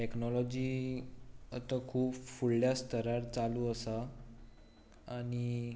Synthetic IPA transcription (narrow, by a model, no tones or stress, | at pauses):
ʈeknɔlɔd͡ʑiː | ət̪əkʰuːpfuɭːjast̪əɾaɾt͡saluːəsa | ɽ̃i